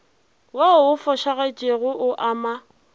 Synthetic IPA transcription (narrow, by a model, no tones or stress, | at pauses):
waʊʊfɔʃaɣat͡ʃʼeɣʊʔʊʔaːma